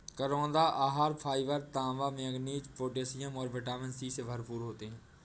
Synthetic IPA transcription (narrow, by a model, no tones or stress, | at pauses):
kəɾõːnd̪aːʔaːɦaːɾpʰaːiʋəɾt̪ãːʋaːmẽəɡniːd͡ʒpoːʈ̬eːsijəmɔːɾbəʈaːmə̃nsiːsebʱəɾpuːɾɦoːt̪eːɦɛ̃ː